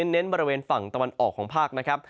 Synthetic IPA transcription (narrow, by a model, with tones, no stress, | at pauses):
nːe˦˥nbɔː˧ɾi˦weː˧nfa˨˩ŋt̪a˧wa˧nʔɔː˨˩kʰɔː˩˦ŋpʰaː˥˩k̚na˦˥kʰɾa˦˥p̚